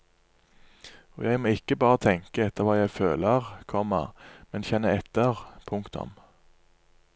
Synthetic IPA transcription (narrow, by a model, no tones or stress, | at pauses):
o̰ːjæɪmoːɪkːəbɑːʁət̪ʰɛŋkəɛt̪əʁʋɑːjæɪføːləʁkʰɔmə̰ʁmɛnçɛnəɛt̪əʁpʰʊŋkt̪ʊ̰m